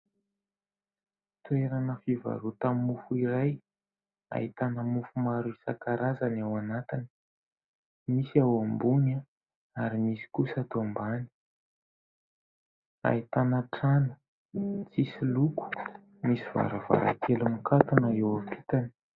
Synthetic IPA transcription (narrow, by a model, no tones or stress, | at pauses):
t̪ueɾanəfiva̰ɾut̪ammːufuiɾaj | a̰it̪anəmufumaɾuisakaɾazanawanat̪ini̥ | misiawambuna | aɾimisi̥kusat̪ombani̥ | a̰it̪anaʈ͡ʂanə̥ | t͡sisiluku̥ | misiv̥a̰ɾava̰ɾa̰kʰelumikat̪unaewapi̥t̪ani̥